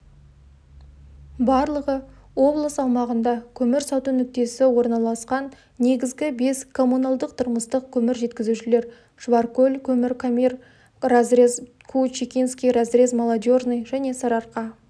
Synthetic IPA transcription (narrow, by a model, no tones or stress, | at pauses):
bɑɾlˠəʁəwo̞blˠəsɑwmɑʁənd̪ɑkʲʰɵmɪɾsɑwt̪ənʏk̚t̪e̞sɪwo̞ɾnɑlˠɑsqɑnː | e̞ɡʲɪzɡʲɪbe̞skʰo̞mːunɑlˠd̪əqt̪ʰʊɾməst̪əq̚kʲʰɵmɪɾʒe̞t̪kʲɪzuʃɪle̞ɾ | ʒ̥vaɾkɵlʲkʲʰɵmɪɾkʰomir | kʰut͡ʃikʲinskʲijrazɾezmolˠad̪ʲjornɨjʒæne̞sɑɾɑɾqɑ